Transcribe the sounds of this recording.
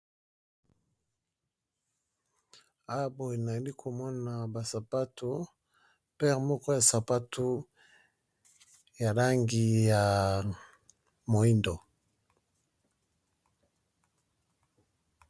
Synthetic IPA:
a˦wa˦bo˨je˨na˨a˨li˦kʰo˨mɔ˦na˨ba˨sa˨pa˦tʰu˦ | pɛ˦ʁmɔ˦kɔ˦ja˨sa˨pa˦tʰu˦ | ja˨la˦ŋɡi˨ja˨ | mo˨i˦ndo˨

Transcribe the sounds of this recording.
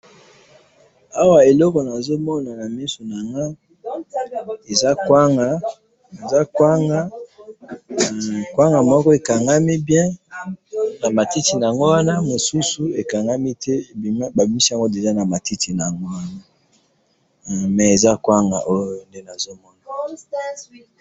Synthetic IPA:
a˦wa˨e˨lɔ˦kɔ˨na˨zo˦mɔ˦na˨na˨mɛ˦so˨na˨ŋɡa˦ | e˨za˦kwa˦ŋɡa˨ | e˨za˦kwa˦ŋɡa˦˨ | kwa˦ŋɡa˨mɔ˦kɔ˦e˨ka˨ŋɡa˦mi˦bjɛ̃˦ | na˨ma˨ti˦ti˨na˨a˨ŋɡo˦wa˦na˦mo˨su˦su˨e˨ka˨ŋɡa˦mi˦tɛ˦˨˦ba˨bi˨mi˦si˦a˨ŋɡo˦de˨ʒa˦na˨ma˨ti˦ti˨na˨a˨ŋɡo˦wa˦na˦˨ | mɛ˨e˨za˦kwa˦ŋɡa̰˨ʔo˦jo˦nde˦na˨zo˦mɔ˦na˨

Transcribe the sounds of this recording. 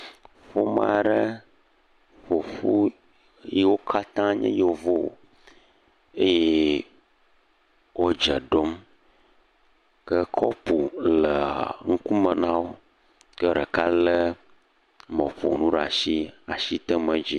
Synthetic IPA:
ɸo˦ma˨ɖə˦ | ɸo˨ɸu˦ | ji˦wo˦kʰa˦t̪ã˦ɲɛ̰̃˦jo˨vo̰˦˨ | e˦je˦ | wo˦d͡ʒə˨ɖo˦m | kə˦kʰɔ˦pu˨lə˨ŋũ˦ku˦mə˨nã˦wo˦ | kə˦ɖə˨ka˦lə˦ | mɔ̃˨ɸo̰˨nũ˦ɖa˨si˦a˨ʃi˦t̪ə˦mə̃˦d͡ʑi˦

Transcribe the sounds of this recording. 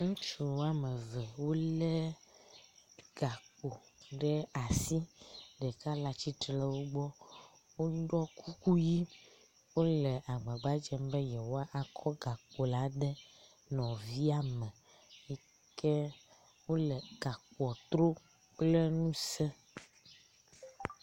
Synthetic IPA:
ŋũ˦t͡ʃu˨wo˦a˦mɛ˨vɛ˨wo˦lɛ˦ | ɡ̥a˨k͡po˨ɖɛ˦a˨si˦ɖɛ˨ka˦la˨t͡ʃi˦tlɛ˦wo˦ɡ͡bɔ˦ | wo˦ɖɔ˦kʰu˦ku˦ji˦ | wo˦lɛ˨ʔa˨ɡ͡bɛ̃˨ɡ͡ba˦d͡ʒɛ˦m˦bɛ˦jɛ˨wo˦a˦ʔa˨kʰɔ˦ɡa˨k͡po˨la˦ɖɛ˦ | nɔ̃˨vi˦a˦mɛ̃˨ | ji˦ | kɛ˦ | wo˦lɛ˨ɡ̥a˨ku˨ɔ˨t̪ɾo˦ | k͡plɛ˦nũ˦sɛ˦

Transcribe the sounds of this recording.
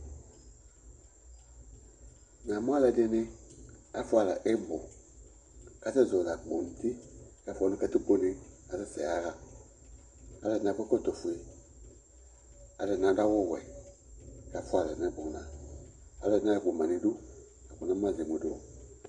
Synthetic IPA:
nã˨mũ˦a˦lɛ˧˦de˧˦nĩ˦a˦fu˦a˨la˨ʔe˦ɡ͡bo˨ | ka˨˦tɛ˦˨zoː˨la˨k͡po˨n˨ti˦ka˨˦fɔ˨˧nĩ˧kɛ˧ti˦k͡po˧nĩ˨a˨tɛ˧˨sɛ̰˨a˦la˨ | a˨˦lɛ˧˨nã˨kɛ˦ko˦˨to˨fu˨e˨ | a˨lɛ˧˨nã˨˦da˦wɔː˦˨wɛ̰˨i˨ | ka˨˦fu˦a˨la˨nã˨˦ɡ͡bõ˨nã̰˨a˨lɛ˧˨nã˦a˨ɡ͡bo˨mã˨nĩ˧˦du˦ | a˨k͡pu˨nã˨˦m˦ã˦˨ze˨mu˨˦doː˨

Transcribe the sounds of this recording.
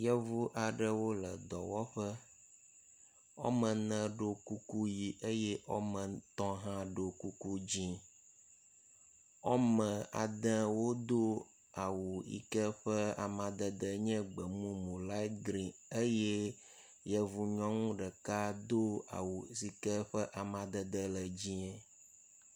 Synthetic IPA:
jɛ˦vu˦ʔa˨ɖə˦wo˦lə̰˨d̪ɔ˨wɔ˦ɸə˦ | o̰˦mə̃˨nə̃˨ɖo˦ku˦ku˦ji˨ʔe˦jɛ˦ʔo˦mə̃˨t̪ɔ̃˦ɦã˦ɖo˨ku˦ku˦d͡ʑĩ˦ | o˦mə̃˨a˨d̪ɛ̃˦wo˦d̪o˦ | a˨wu˨ḭ˦kɛ˦ɸə˦a̰˨mã˨d̪ə˨d̪ə˨ɲɛ̃˦ɡ͡bə˨mũ˦mũ˨la˦ɡɾĩ˨e˦jɛ˦ | jɛ˦vu˨ɲɔ̃˦ŋũ˦ɖə˨ka˦d̪o˦a̰˨wu˨si˨kɛ˦ɸə˦ʔa˨mã˨d̪ə˨d̪ə˦lə˨d͡ʑĩ˦ɛ˦

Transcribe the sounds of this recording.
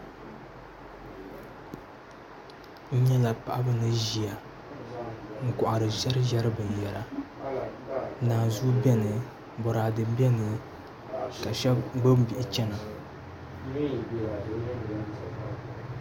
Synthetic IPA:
n̩˦ɲɛ˦la˨pa˨ʔa˦bɨ˦nɨ˦ʒi˨a˨ | ŋ̩˦kɔ˨ʔa˨ɾɨ˨ʒɛ˦ɾɨ˦ʒɛ˦ɾɨ˦bɨ˨n˨jɛ˨ɾa˦ | naː˨zu˦bɛ˦nɨ˨ | bɔ˨ɾaː˨dɨ˨m˦bɛ˦nɨ˨ | ka˨ʃɛ˦ɡ͡bɨ˦m˦bi˦ʔɪ˦t͡ʃɛ˦na˨

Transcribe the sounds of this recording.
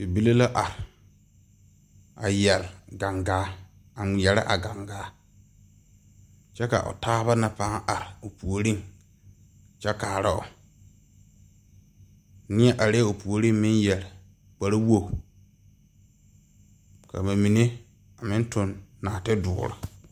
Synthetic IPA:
bi˨bi˦le˦la˦ʔa˨ɾɪ˨ | a̰˨jɛ˨lɡa˨ŋɡaː˨˦ | a˨jɛ˨lɪ̰˦ʔa̰˨ɡa˨ŋɡaː˦ | t͡ʃɛ˦ka̰˨ʔʊ̰˨taː˦βa˦na˨paː˦ŋ˦ʔa˨ɾɪ˨ʊ˨pu˨o˨ɾi˦ŋ | t͡ʃɛ˦kaː˨ɾa˦ʊ̰˨ | nɪ˦ɛ˦ʔa˨ɾe˦ʊ˨pu˨o˨ɾi˦ŋmɪ˦njɛ˨l | k͡pa˨ɾa˦wo˦˨ | ka̰˨ma˨mi˨ne˦ | a˨mɪ˦n˦tʊ˨nːaː˨tɪ˦dʊ̰ː˨˦˨ɾa̰˨

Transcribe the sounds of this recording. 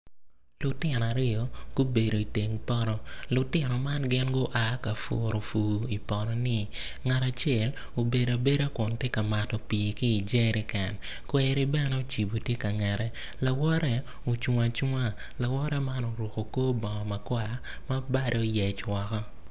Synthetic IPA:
lʊ˨tɪ˦nɔ˨a˨ɾɪ˦ɔ˨ɡ̥o˦be˨ɾo˨i˨te˨ŋpɔ˦ɾɔ˦lʊ˨tɪ˦nɔ˨ma˦nɡɪ˦nɡo˦ʔa˦ka˨fo̰˨ɾo˨fuː˨i˨pɔ˨ɾɔ˨nɪ˦ | ŋa˨ta˨t͡ʃjɛ˦˨l | o˨be˨da˨be˦ɾa˦kʊ˨ntje˦ka˨ma˨tɔ˨pi˨i˨kiː˦˨d͡ʒe˦ɾɪ˦kɛ˨n | kwɛ˦ɾi˦bɛ˦nɛ˦o˦˨t͡ʃi˨bo˨tje˦ka˨ŋɛ˨ɾɛ˦ | la˨wɔ˦ɾɛ˦ | o˨t͡ʃa˨t͡ʃa˦ | la˨wɔ˦ɾɛ˦ma˦no˨ɾo˨ko˨koː˦bɔ˨ma˨kwa˦˨ | ma˦ba˦ɾʔe˨o˦jɛ˨t͡ʃwɔ˨kɔ˦

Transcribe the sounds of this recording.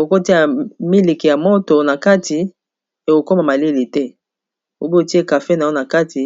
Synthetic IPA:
e˨ko˨ko˦ti˦a˨mi˦li˨ki˨ja˨mo˦to˨na˨ka˦tʰi˨ | e˨ko˨ko˦ma˨ma˨li˦li˨tɛ˦ | o˨bo˦e˨ti˦e˦ka˨fe˦na˨jo˦na˨ka˦ti˨

